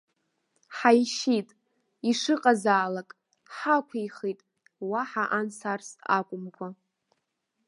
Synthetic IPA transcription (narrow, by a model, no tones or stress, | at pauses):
ħajʃitʼ | iʂɨqʼazaːlakʼ | ħakʷʰajχitʼ | waħaʔansarsa̰kʷʼʊmkʷʰa